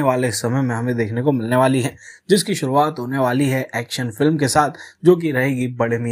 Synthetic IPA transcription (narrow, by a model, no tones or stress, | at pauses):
eʋaːlesɐməjmẽɦɐmẽd̪eːkʰnekomɪlneʋaːliɦɛːd͡ʒɪskiʃʊɾuaːt̪ɦoːneʋaːliɦɛʔɛːkʃənfɪlmkesaːt̪ʰd͡ʒoːk̬iɾɐɦeːɡibɐɽemi